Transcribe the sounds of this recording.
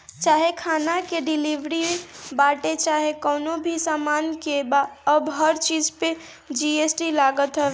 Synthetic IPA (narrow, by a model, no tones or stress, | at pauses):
t͡ʃaːɦekʰanakeɖilibɾiebaʈet͡ʃaɦekɔːnobʱisaːmaːnkebaəbɦəɾt͡ʃid͡ʒpe | d͡ʒiesʈilaɡət̪ɦə